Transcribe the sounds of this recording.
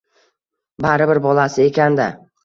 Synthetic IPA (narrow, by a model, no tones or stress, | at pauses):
baɾɪbɪɾbɒlasɪe̞kʲʰand̪a̰